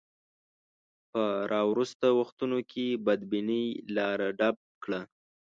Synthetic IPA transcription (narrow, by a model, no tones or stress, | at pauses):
pəɾʔɑwɾust̪awaxt̪unokʰebad̪binilɑɾaɖab̚kɽa